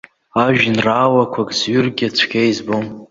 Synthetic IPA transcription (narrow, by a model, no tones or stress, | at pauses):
aʒᶣnraːwakʷʰakʼzɥʏrɡʲat͡ɕʷʰɡʲʰejzbom